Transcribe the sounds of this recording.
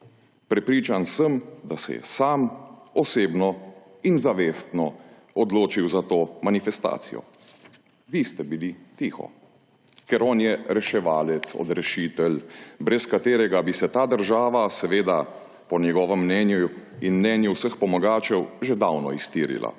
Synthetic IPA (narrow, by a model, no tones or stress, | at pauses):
pɾɛpɾiːt͡ʃansəmd̪asɛ̰jɛ̰saːmɔseːbnɔ | inzaʋeːst̪nɔ | ɔd̪loːt͡ʃiwzat̪oːmanifɛst̪a̰ːt̪sijɔ̰ | ʋist̪ɛbilit̪iːxɔ̰ | kɛɾɔːnjɛɾɛʃɛʋaːlɛt̪sɔ̰d̪ɾɛʃiːt̪ɛlbɾɛskat̪eːɾɛɡabisɛt̪aːd̪əɾʒaːʋasɛʋeːd̪a | pɔnjɛɡɔːʋəmːnɛnjuinmnɛnjuwsəxpɔmɔɡaːt͡ʃɛwʒed̪awnɔ̰ist̪iːɾḭlʔa̰